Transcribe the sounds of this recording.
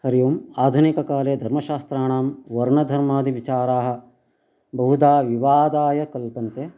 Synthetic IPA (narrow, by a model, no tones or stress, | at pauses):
hɐɾijuːmaːd̪ʱunikɐkaːleːd̪ʱɐɾmɐʃaːst̪ɾaːɳaːmʋɐɾɳɐd̪ʱɐɾmaːd̪iʋit͡ʃaːɾaːɦɐ̆ | bɐɦud̪aːʋiʋaːd̪aːjɐkɐlpɐnt̪e